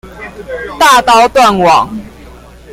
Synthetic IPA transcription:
t̪a˥˨t̪ɑ˦ʊt̪wa˥˨nwɑ˨˩˦ŋ

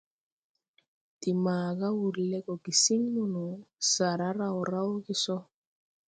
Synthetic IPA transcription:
ti˨maː˨ɡa˦wu˨ɾlɛ˦kɔ˨ɡi˨si˦ŋnu˦nu˨sa˨ɾa˦ɾa˦˨wɔ˨ɾa˦wɡi˦sɔ˦

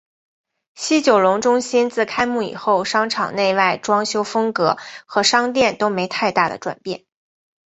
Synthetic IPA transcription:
ɕi˥t͡ɕjo˨˩ʊlʊ˧˥ŋʈ͡ʂʊ˥ŋɕi˥nt͡sɹ̩˥˩kʰa˥ɪmu˥˩ḭ˨˩xo˥˩ʊʂɑ˥ŋʈ͡ʂʰɑ˨˩ŋne˥˧ɪwa˥˩ɪʈ͡ʂwɑ˥ŋɕjo˥ʊfɤ˥ŋkɤ˧˥xɤ˧˥ʂɑ˥ŋt̪jɛ˥˩nt̪o˥ʊme˧˥ɪt̪ʰa˥˧ɪt̪a˥˩d̪ə̰˩ʈ͡ʂwa̰˨˩npjɛ̰˥˩n

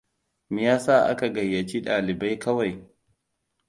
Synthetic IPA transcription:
mi˨jaː˦saː˦˨ʔa̰˦ka˨ɡɐ˨jːɐ˨t͡ʃi˦ɗaː˨lɪ˨ba˦jkɐ˦wa˨j

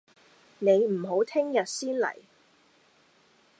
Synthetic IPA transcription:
ne˨˧jm̩˨˩ɦo˨˥wt̪ʰɪ˥ŋjɐ˨t̚siː˥nlɐ̰˨˩j

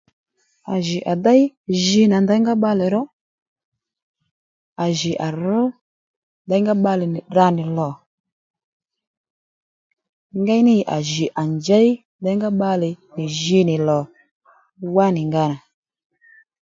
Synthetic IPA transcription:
a˨ʒɪ˨ʔa˨da˦jʒi˧na˨nda˨˦ŋɡa˦ɓa˧lɛ˨ɾɔ˦ | a˨ʒɪ˨ʔa˨ɾʊ˦ | nda˦jŋɡa˦ɓa˧lɪ˨nɪ˨ɗa˧nɪ˨lɔ˨ | ŋɡa˦jnɪ˦˨ʔa̰˨ʒi˨ʔa˨nd͡ʒɛ˦i˦ | nda˦jŋɡa˦ɓa˧lɪ˨nɪ˨ʒi˧˦nɪ˨lɔ˨ | wa˦nɪ˨ŋɡa˦na˨

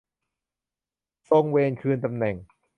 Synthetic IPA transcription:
so˧ŋweː˧nkʰɯː˧nt̪a˧mnɛ˨˩ŋ

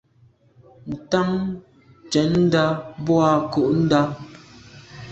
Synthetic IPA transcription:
n̩˨ta˦ŋ | t͡ʃɛ˨˦nn̩˦da˦bwa˨ko˨ʔn̩˦da˦

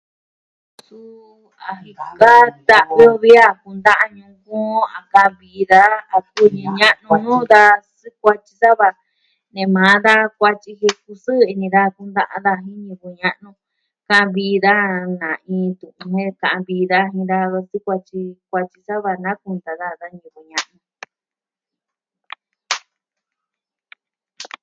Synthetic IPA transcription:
su˦ | a˧ɦĩ˧a˦t̪a˧ʔβo˧βi˦a˧ku˧nd̪a˦ʔa˧ɲũ˧kũ˦a˨kã˧ʔβi˧ða˧˦a˨ku˦˧ɲĩ˧ɲã˦ʔnũ˧nũː˦ða˧sɨ˦kʷa˧t͡ʃi˧sa˦βa˧ | nẽ˨˧mã˨˦ða˦kʷa˧t͡ʃi˧ɦe˧ku˧sɨ˦i˧nĩ˧ða˦˧ku˧nd̪a˦˧ʔa̰˧ða˧ɦĩ˦ɲĩ˧ku˧ɲã˦ʔnũ˧ | kã˦˧ã˧βi˧˦˧ða˦nã˨ʔĩː˧˦t̪ũ˨ʔũ˧hẽ˦kã˨ʔã˧βiː˧˦ða˧ɦĩ˧ða˧βa˧sɨ˦kʷa˧t͡ʃi˧kʷa˧t͡ʃi˧sa˦βa˧nã˦ku˧nd̪a˨ða˦˧ða˧ɲĩ˧˨ku˧ɲã˦ʔnũ˧

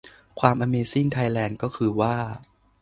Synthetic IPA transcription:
kʰwaː˧mʔaː˧meː˧si˥˩ŋt̪ʰa˧jlɛː˧nkɔː˥˩kʰɯː˧waː˥˩

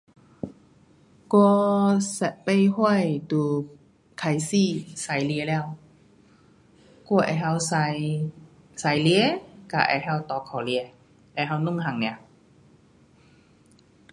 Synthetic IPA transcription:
kwɔ˥˧sɛ˨˩pe˥˧jhwɔ˥˨jt̪uː˨˦ | kʰa˨˩jsi˥˨sa˨˧˦jli˧lɛː˧˨w | kɔ˧ʔɛ̰˧˩ha˧ws | sa˨˧˦jli˧˨ka̰˧˩ʔɛ̰˧ɦa˧˨wt̪ɔ˨˧kʰɔ˨˩li˧ | ʔɛ˧˩ɦa˧wnu˥˨ŋɦa˨˩ŋnɛ̃˨˧˦

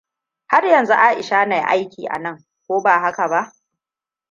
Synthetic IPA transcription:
ha˦rjɐ˨nzu˦ʔa˦ʔɪ˨ʃaː˦na˨jʔa̰˦jkʲiː˨ʔa̰˨nɐ˦˨ŋ | kʷoː˦baː˨ɦa˦ka˨ba˦ʔ

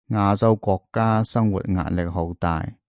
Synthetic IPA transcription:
ŋaː˨˧t͡so˧wkʷɔː˧kːaː˥sɐ˥ŋwṵ˨˩t̚ŋa̰ː˧t̚lɪ˨k̚ɦo˨˥wt̪a̰ː˨j

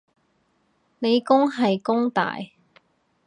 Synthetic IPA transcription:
ne˨˧jkʊ˥ŋɦɐ˨jkʊ˥ŋt̪a̰ː˨j

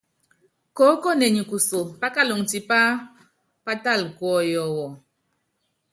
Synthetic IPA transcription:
ko˨˦ko˦˨ne˨ɲi˨ku˨so˨pa˦ka˦˨lo˨ŋti˨pa˦ | pa˦ta˦˨lkwɔ˦jɔ˨wɔ˨

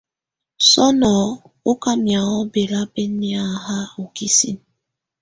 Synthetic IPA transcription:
sɔ˦nɔ˨ | ʊ˦ka˦mja˨ɣɔ˦be˨ɾa˦be˦ni˦a˦˨˦ɦa˦o˨ki˦sḭ˦n˦

